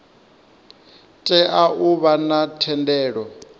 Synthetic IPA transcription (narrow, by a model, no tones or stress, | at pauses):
tʼɛʔaʔuβanatʰɛndɛːɺɔ